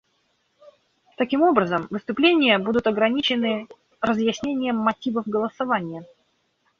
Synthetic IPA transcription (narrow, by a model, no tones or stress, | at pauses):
t̪ɐkʲimo̞bɾəzəmvɨst̪ʊplʲenʲɪjəbud̪ʊt̪ɐɡɾɐnʲit͡ɕɪnɨ | rəzjɪsʲnʲenʲɪjəmːɐtʲivəvɡəlˠəsɐvanʲɪjə